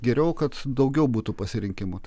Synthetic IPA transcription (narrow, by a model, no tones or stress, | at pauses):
ɡʲɛɾʲɛʊkɐt̪d̪ɒʊɡʲɛʊbuːt̪upɐsʲɪɾʲɪŋʲkʲɪmʊt̪